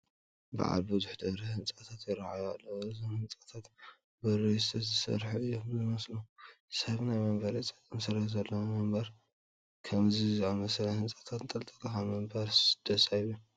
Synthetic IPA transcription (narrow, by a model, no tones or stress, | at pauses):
ba̰ʕa̰lbɨzuħd̪ɐβɾɐhɨnt͡sʼat̪ʰat̪jɪɾaʕajalːɐwɨzomhɨnt͡sʼat̪ʰat̪ | bɐɾɐjst̪ʰɐt̪zɨsɐ̰ɾħuɨjːomzɨmɐslusɐβnajmɐmbɐɾit͡sʼɐkʼɐmsɐɾhzɐlːɐwmɨmbɐɾ | kʰɐmzizamɐslɐhɨnt͡sʼat̪ʰat̪t̪ʼɐlt̪ʼɐkʼɐxamɨmbɐɾsɨd̪̥ɐsajβu